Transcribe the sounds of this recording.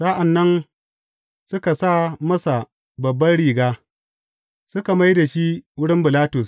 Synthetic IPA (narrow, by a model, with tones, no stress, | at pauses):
sa˦ʔa˨nːɐ˦n | sʊ˦ka˨saː˦˨mɐ˦sa˨ | bɐ˨bːɐ˦nɽiː˨ɡaː˦ | sʊ˦ka˨ma˦jda˨ʃi˦wʊ˦ɽɪ˦mbɪ˨laː˦tʊ˨s